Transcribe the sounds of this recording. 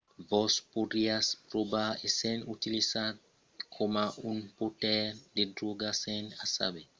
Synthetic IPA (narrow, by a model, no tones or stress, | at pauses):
vɔspodiaspɾobaesenut̪ilisat | kʰomaʔunpotɛɾd̪edɾuɡasenasa̰be